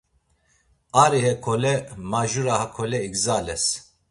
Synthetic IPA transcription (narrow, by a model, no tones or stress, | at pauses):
aːɾihɛkʰolɛmaːʒuɾahakʰolɛikzaːlɛs